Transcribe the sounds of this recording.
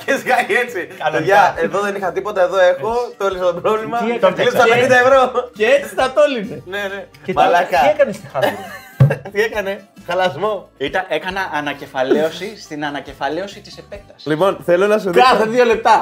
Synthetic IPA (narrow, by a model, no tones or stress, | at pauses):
cesiɣɐet͡siɐt̪eɐeðoðe̞nixɐt̪ipo̞t̪ɐeðo̞e̞xo̞t̪oliset̪obɾovlimɐt̪lisst̪ɐpenind̪ɐevɾo̞ceet͡si̥t̪ɐt̪olinene̞ne̞ | mɐlɐkɐiekɐnest̪ixɐ | t̪iekɐne̞xɐlɐzmo̞it̪ɐʔekɐnɐʔɐnɐce̞fɐleo̞sist̪inɐnɐce̞fɐleo̞sit̪i̥sefe̞k̪̚ɐslipo̞nθelo̞nɐs̬uðseðjole̞p̚t̪ɐ